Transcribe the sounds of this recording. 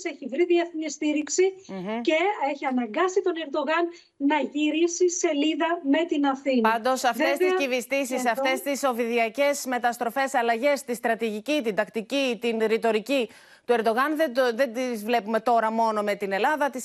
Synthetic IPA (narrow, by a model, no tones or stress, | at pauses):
seçivɾiðieθnist̪iɾiksice̞eçiɐnɐŋɡɐsit̪o̞ne̞ɾd̪o̞ɣɐnː | ɐʝiɾisise̞liðɐme̞t̪inɐθinpɐnd̪o̞sɐfest̪iscivist̪isisɐft̪e̞st̪iso̞viðiɐce̞sme̞t̪ɐst̪ɾo̞fe̞sɐlɐʝe̞st̪ist̪ɾɐt̪iʝicit̪ind̪ɐkt̪icit̪inɾit̪o̞ɾici | t̪ue̞ɾd̪o̞ɣɐnðed̪ðe̞d̪izvle̞pume̞t̪o̞ɾɐmo̞no̞me̞t̪ine̞lɐðɐt̪is